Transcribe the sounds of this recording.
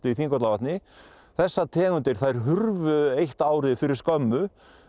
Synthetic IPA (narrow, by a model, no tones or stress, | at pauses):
t̪ɪiθiŋkɔt̪lavaht̪nɪ | θɛsːat̪ʰɛːɣʏnt̪ɪɾ̥θajɾ̥ɦʏɾvʏejht̪aːwɾɪfɪɾɪɾ̥skœmːʏ